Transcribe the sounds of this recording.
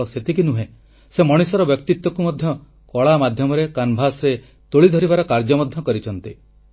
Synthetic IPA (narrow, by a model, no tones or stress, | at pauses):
ɔset̪ʰik̬inuɦẽ | semɔɽ̃isɔɾɔbjɔkt̪it̪wɔkumɔd̪ʱjɔ | kɔɭamad̪ʱjɔmɔɾekanbʱasɾe | t̪oɭid̪ʱɔɾibaɾɔkaɾd͡ʒɔmɔd̪ʱjɔkɔɾit͡ʃʰɔnt̪i